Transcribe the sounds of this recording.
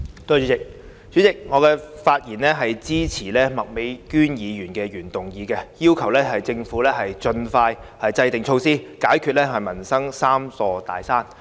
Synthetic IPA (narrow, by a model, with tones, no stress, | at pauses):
t̪o˧˥˨t͡ʃy˨˥t͡sɪ˨k̚ | t͡ʃyː˨˥t͡sɪ˨k̚ŋɔː˨˧kɛː˧faː˧t̚jiː˨˩nlɛː˥ɦɐ˨jt͡siː˥t͡sʰiː˨˩lɛː˥mɐ˨k̚me˨˥jkyː˥njiː˨˧jyː˨˩nkɛː˧ɥyː˨˩nt̪ʊ˨ŋjiː˨˧kɛ˧jiː˥wkʰɐ˨˩wlɛː˥ɦɐ˨jt͡sɪ˧ŋfuː˨˥lɛː˥ɦɐ˨jt͡ʃɵ˧nfaː˧jhɐ˨jt͡sɐ˧jt̪ɪ˨ŋt͡ʃʰo˧wsiː˥kaː˨˥jkʰyː˨˧t̚lɛː˥ɦɐ˨jmɐ˨˩nsɐ˥ŋsaː˥msɔː˧t̪a̰ː˨jsaː˥n